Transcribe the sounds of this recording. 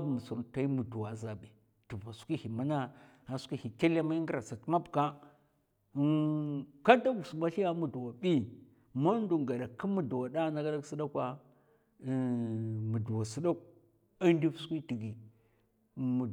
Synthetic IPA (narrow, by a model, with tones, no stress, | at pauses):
mu˨su˨ɾta˦i˦mu˨du˨wa˨za˨ɓi˨ | tu˨va˨su̥˦kʷi˦hi˨ma˦na˦ | a˨su̥˦kʷi˦hi˨ke˦la˦ma˦i˦ŋɡi˦ɾa˨sa˨tma˦bka˦ | ka˦da˦ɡu˨su˨ma˦ɬi˦ja˦mu˨du˨wa˨ɓi˦ | ma˦n˦du˨ɡa˨da˨ki˦mu˨du˨wa˨da˦na˦ɡa˦da˦ksi˦da˦kʷa˦˨ | mu˨du˨wa˨si˦da˦k | a˦ndi˦fsu̥˦kʷi˦ti˨ɡi˨ | mu˨